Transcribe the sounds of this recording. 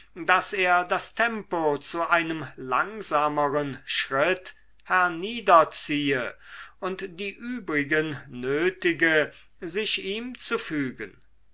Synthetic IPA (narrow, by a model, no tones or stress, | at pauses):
daseːɐdastʰɛmpot͡suʔaɪnəmlaŋzaːməʁənʃʁɪt | hɛɐniːdɐt͡siːəʊntd̥iːʔyːbʁɪɡənːøːtɪɡə | zɪʃiːmt͡sufyːɡən